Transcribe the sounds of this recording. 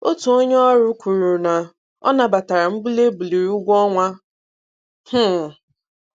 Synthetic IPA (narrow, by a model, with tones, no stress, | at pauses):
o˦tu˨o˦ɲɔ˦a˦ɾʊ˦kʷu˨ɾu˨na˨ | ɔ̰˦na˨ba˨ta˨ɾa˨m̩˦ɡ͡bu˦le˦bu˨li˨ɾu˦ɡʷɔ˦ŋʷa˦ | h̩˦˨